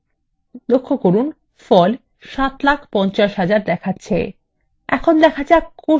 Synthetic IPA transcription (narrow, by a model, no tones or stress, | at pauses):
lokʰːokoɾun | fɔl | ʃat̪lakʰpɔnt͡ɕaʃɦad͡ʑaɾd̪ɛkʰatːɕʰḛ | ɛkʰond̪ɛkʰad͡ʑako